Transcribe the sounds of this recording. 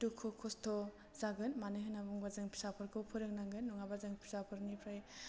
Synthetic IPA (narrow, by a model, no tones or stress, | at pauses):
tukʰokʰɔstʰɔ | zaɡɯnmanɯɦɯnabuŋbazɯŋpʰi̥sapʰɯɾkʰɯwpʰɯɾɯŋnaŋɡɯnːuŋabazɯŋpʰi̥sapʰɯɾnipʰɾaj